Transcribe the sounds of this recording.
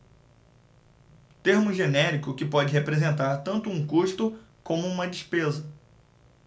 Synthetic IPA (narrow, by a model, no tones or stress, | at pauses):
t̪eɾmʊʒenɛɾikʊkɪpɔd͡ʒɪɦepɾezẽnt̪aɾt̪ɐ̃nt̪ʊũkuʃt̪ʊ | kõmʊũmɐd͡ʒɪʃpezɐ